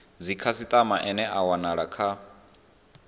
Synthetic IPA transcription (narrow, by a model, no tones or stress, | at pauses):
d͡zikʰasit̪ʼamaʔɛnɛʔawanaɺakʰa